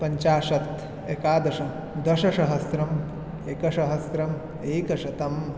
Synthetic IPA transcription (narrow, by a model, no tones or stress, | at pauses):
pɐɲt͡ʃaːʃɐt̪ | ekaːd̪ɐʃɐ | d̪ɐʃɐʃɐɦɐsɾɐm | eːkɐʃɐɦɐsɾɐm | eːkɐʃɐt̪ɐm